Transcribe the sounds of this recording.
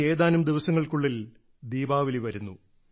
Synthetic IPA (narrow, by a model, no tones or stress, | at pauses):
e̞ːðaːnumd̪iʋɐsɐŋːɐɭkuɭːil | d̪iːbaːʋiliʋɐɾunːu